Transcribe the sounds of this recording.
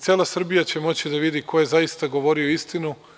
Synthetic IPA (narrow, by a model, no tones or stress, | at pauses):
t̪sielasr̩bijat͡ɕemo̞t͡ɕid̪aʋid̪iːkʰo̞je̞zajist̪aɡo̞ʋo̞ɾio̞ist̪inu